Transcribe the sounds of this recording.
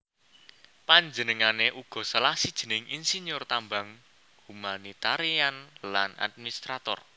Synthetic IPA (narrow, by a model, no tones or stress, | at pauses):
paɲd͡ʒənəŋaneʔuɡ̥ɔ̤səlahsid̥ʒ̥ə̤nɪŋinsiɲjʊrt̪ambaŋ | humanit̪aɾianlana̰d̪̚minist̪ɾat̪ɔr